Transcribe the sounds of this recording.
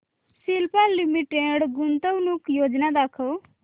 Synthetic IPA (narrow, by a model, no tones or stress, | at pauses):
silpaːimiʈeɽɡunt̪əʋnukjoːd͡ʒnad̪akʰəw